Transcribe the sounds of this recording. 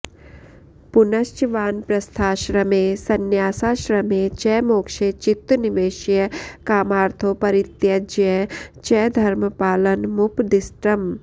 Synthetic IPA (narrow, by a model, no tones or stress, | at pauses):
punɐʃt͡ʃʋaːnpɾɐst̪ʰaːʃɾɐmesɐnjaːsaːʃɾɐmet͡ʃɛːmoːkʃeːt͡ʃɪt̪ːnɪʋeːʃjəkaːmaːɾt̪ʰopɐɾɪt̪jɐd͡ʒjət͡ʃɛːd̪ʱɐɾməpaːlənmʊpd̪ɪsʈɾɐm